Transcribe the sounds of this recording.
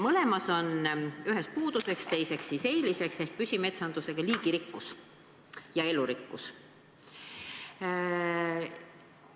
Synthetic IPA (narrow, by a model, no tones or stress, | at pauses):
mɤle̞mɑso̞nyɦe̞spuːd̪̥use̞kst̪e̞jse̞ksːise̞jlise̞kse̞hk̚pysʲime̞t̪sɑnd̪̥use̞ɡ̥ɑliːɡ̥iɾikːus | jɑe̞luɾikːus